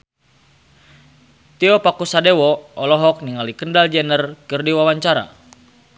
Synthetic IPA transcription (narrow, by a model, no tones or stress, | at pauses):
t̪iɔpakusadewɔɔlɔɦɔk̚niŋalikəndald͡ʒɛnərkɨrdiwawaɲt͡ʃaɾa̰